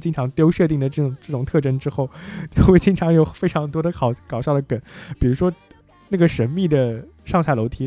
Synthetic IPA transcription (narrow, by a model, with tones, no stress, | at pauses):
t͡ɕi˥ŋʈ͡ʂʰɑ˧˥ŋt̪jo˥ʊʂɤ˥˧t̪̬i˥˩ŋd̪ə˩ʈ͡ʂɤ˥˩ʊ˨˩ŋʈ͡ʂɤ˥˩ʈ͡ʂʊ˨˩ŋt̪ʰɤ˥˩ʈ͡ʂə˥nʈ͡ʂɻ̩˥xo˥˩ʊt͡ɕjo˥˧ʊxwe˥˩ɪt͡ɕi˥ŋʈ͡ʂʰɑ˧˥ŋjo˨˩ʊfe˥ɪʈ͡ʂʰɑ˧˥ŋt̪wɔ˥ɾə˨ɑ˨˩ʊkɑ˨˩ʊɕjɑ˥˩ʊd̪ə˩kə˨˩˦npi˨˩ɻu˧˥ʂwɔ˥ | na˥˩ɡə˩ʂə˧˥nmi˥˩d̪ə˩ | ʂɑ˥˧ŋɕja˥˩ɪlo˧˥ʊt̪ʰi˧˥